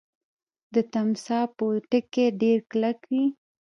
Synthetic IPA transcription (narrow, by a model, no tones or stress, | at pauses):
d̪ət̪amsɑpəʈəkeɖeɾklakwi